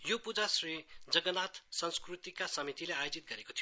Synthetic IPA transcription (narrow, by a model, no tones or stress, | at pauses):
jopud͡zasrid͡zʌɡʌnat̪sʌnskrut̪ikasʌmit̪ileajod͡zit̪̚ɡʌɾekot̪ʰijo